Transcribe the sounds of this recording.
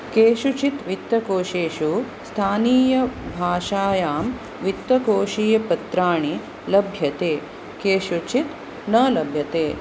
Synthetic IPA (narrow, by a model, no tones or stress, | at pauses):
keːʃut͡ʃit̪ʋit̪ːɐkoːʃeːʃu | st̪ʰaːniːjɐbʱaːʃaːjaːm | ʋit̪ːɐkoːʃiːjɐpɐt̪ɾaːɳi | lɐbʱjɐt̪eː | keːʃut͡ʃit̪ | nɐːlɐbʱjɐt̪eː